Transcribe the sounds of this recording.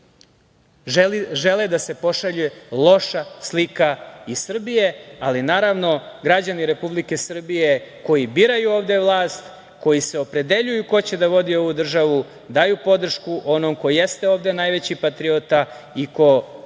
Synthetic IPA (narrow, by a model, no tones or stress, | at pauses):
ʒeled̪ase̞po̞ʃaʎujelˠo̞ʃaslikaisr̩bije̞alinaːɾaʋno̞ɡɾad͡ʑaniɾe̞publike̞sr̩bijeko̞jibiːɾajuoːʋd̪e̞ʋlˠaːst̪ | ko̞jise̞o̞pɾe̞d̪e̞ʎujuko̞t͡ɕe̞d̪aʋo̞d̪io̞ʋud̪r̩ʒaʋu | d̪ajupo̞d̪r̩ʃkuʔo̞nomko̞je̞st̪eo̞ːʋd̪e̞najʋe̞t͡ɕipat̪ɾiot̪a | iko̞